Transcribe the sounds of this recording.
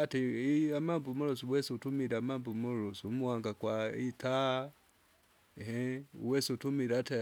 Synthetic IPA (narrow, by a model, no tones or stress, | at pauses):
atiiamambumɔɾɔsuwɛsutumiɾamambumɔɾɔsumuwaŋɡakwaitʰa | ɦɛṵwɛsutumiɾata